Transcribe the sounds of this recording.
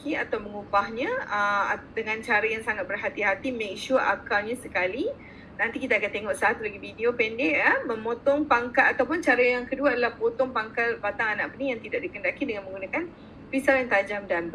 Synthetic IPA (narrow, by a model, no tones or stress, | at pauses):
kiat̪awməŋubahɲãəadəŋãnt͡ʃaɾajaŋsaŋat̪̚bərɦat̪iɦat̪imek̚ʃurʔakaɲasəkali | nãnt̪ikit̪aːkant̪eŋɔʔsaat̪ulaɡividiopɛndɪʔəməmot̪ɔŋpaŋkalat̪awp̬ʊnt͡ʃaɾajaŋkəduaadalahpot̪ɔŋpaŋkalpat̪aŋanaʔbənijaŋt̪idaʔdikəndakidəŋanməŋɡunakan | fisaljaŋt̪ad͡ʒamdanb